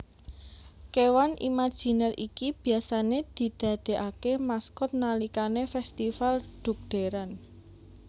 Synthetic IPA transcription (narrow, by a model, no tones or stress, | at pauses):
kewanʔḭmad̥ʒ̥i̤nɛrḭkib̥i̤asaned̪̥i̤d̪̥a̤d̪̥e̤ʔakemaskʊt̪̚nalikanefɛst̪ifalɖ̪̥ṳk̚ɖ̪̥e̤ɾan